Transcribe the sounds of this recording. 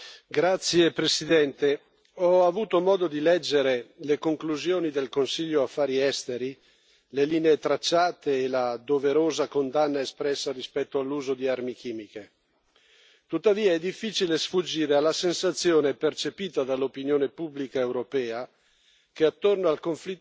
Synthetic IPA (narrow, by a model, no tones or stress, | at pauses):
ɡɾat̪sːjepɾesid̪ɛnt̪e | ɔavuːt̪omɔːd̪od̪ilɛd͡ʒːeɾelekoŋkluzjoːnid̪elkonsiʎːoafːaːɾiɛst̪eɾi | leliːneet̪ɾat͡ʃːaːt̪eːlad̪oveɾoːzakond̪anːaespɾɛsːarispɛt̪ːoalːuːzod̪iarmikiːmike | t̪ut̪ːaviːaɛd̪ːifːit͡ʃilesfud͡ʒːiːɾealːasensat̪sːjoːnepert͡ʃepiːt̪ad̪alːopinjoːnepubːlikaewɾopɛːa | keat̪ːornoalkoɱfli